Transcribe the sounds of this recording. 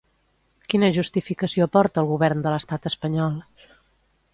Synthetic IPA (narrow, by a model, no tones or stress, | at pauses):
kinəʒust̪ifikəsiopɔɾt̪əːlˠɣuβɛɾnd̪ələst̪at̪əspəɲɔlˠ